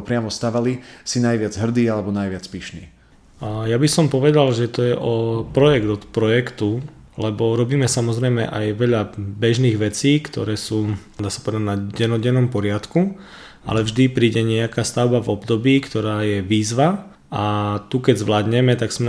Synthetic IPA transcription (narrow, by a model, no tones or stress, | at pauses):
pɾɪamɔst̪aːʋalisinajʋɪad͡zɦr̩d̪iːalɛbɔnajʋɪat͡spiʃnḭː | jabisɔmpɔʋɛd̪alʒɛt̪ɔjɛʔɔpɾɔjɛɡd̪ɔt̪pɾɔjɛkt̪u | lɛbɔɾɔbiːmɛsamɔzɾɛjmɛ̰ʔajʋɛʎabɛʒniːɣʋɛt͡siːkt̪ɔ̰ɾɛːsuːd̪aːsḁpɔʋɛd̪aɟnaɟɛnɔɟɛnɔmpɔɾɪat̪ku | a̰lɛvʒd̪ipɾiːɟɛɲɛakaːst̪aʊbavɔbd̪ɔbiːkt̪ɔɾaːjɛʋiːzʋa | at̪ukɛɟzʋlaːd̪ɲɛmɛt̪aɡsmɛ